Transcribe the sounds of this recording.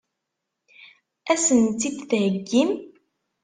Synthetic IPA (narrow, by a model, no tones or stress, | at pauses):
æsənt̪ːid̪θʕəɡːim